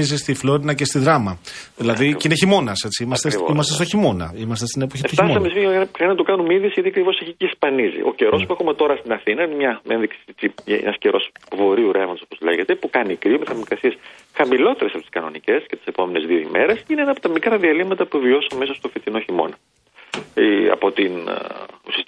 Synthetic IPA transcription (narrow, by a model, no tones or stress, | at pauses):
izist̪iflo̞ɾinɐcest̪iðɾɐmɐ | ðilɐðiineçimo̞nɐse̞t͡siimɐst̪eimɐst̪est̪oçimo̞nɐ̰imɐst̪est̪inepoçift̪t̪ɐsɐmesifiɐxɐinɐt̪ukɐnumiðisʝɐt̪iɐkɾivo̞seçiciːspɐnizḭʔo̞̰ce̞ɾo̞spuexume̞t̪o̞ɾɐst̪inɐθinɐinemɲɐenðiksi̥t͡siḛnɐsceɾʔo̞svo̞ɾiuɾe̞vo̞nd̪sopozlḛʝe̞t̪epukɐnikɾimeθɐmikɐsies | xɐmilo̞t̪eɾesɐpot̪iskɐno̞̰nice̞scet̪ise̞po̞mene̞zðioḭmeɾesineenɐpot̪ɐmikɾɐðiɐlimɐt̪ɐpuvio̞sɐme̞sost̪ofit̪inoçimo̞̰nɐ | ɐ̰po̞t̪inusi